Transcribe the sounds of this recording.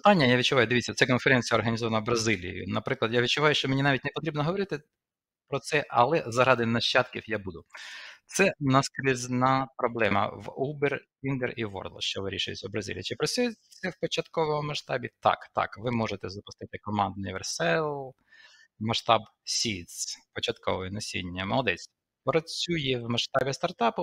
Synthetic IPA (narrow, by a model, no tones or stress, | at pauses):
pt̪ɑnʲːɐjaʋʲid̪̚t͡ʃʊʋɑjʊd̪eʋʲitt͡sʲːɐt̪sɛkɔnfeɾɛnʲt͡sʲijɐɔrɦɐnʲizɔʋɐnɐwbɾɐzɪlʲḭjʊ̰nɐpɾɪklˠɐd̪jaʋʲid̪t͡ʃʊʋɑjʊʃt͡ʃɔmenʲinɑʋʲitʲnepɔt̪ɾʲibnɔɦɔʋɔɾɪt̪ɪ | pɾɔt̪sɛʔɐ̰lˠɛzɐɾɑd̪ɪnɐʃt͡ʃːɑt̪kʲiwjabud̪ʊt̪sɛnɐskɾʲiznɑpɾɔblˠɛmɐ̰ʋuberʲ | inɡ̪eriʋɔ̰rd̪lˠɔ̰ʃt͡ʃɔʋɪɾʲḭʃʊjɪ̰t͡sʲɐwbɾɐzʲḭlʲḭit͡ʃɪpɾɐt͡sʲujɛt͡s̪ɛwpɔt͡ʃɐt̪kɔʋɔmʊmɐʃt̪ɑbʲit̪ɑ̰kt̪ɑ̰kʋɪmɔʒet̪ɛzɐpʊst̪ɪt̪ɪkɔmɑnd̪nʲɪʋersɛlˠ | mɐʃt̪ɑbsʲit̪spɔt͡ʃɐt̪kɔ̰ʋɔjɛnɔsʲḭnʲːɐmɔd̪ɛsʲ | pɾɔt͡sʲujɛwmɐʃt̪ɑbʲist̪ɐrt̪ɑpʊ